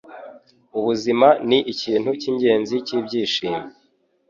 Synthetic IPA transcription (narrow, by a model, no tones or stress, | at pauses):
uβuzimaniʔiciːn̥huciːɲɟe̞ːnziciːbɟiːʃiːme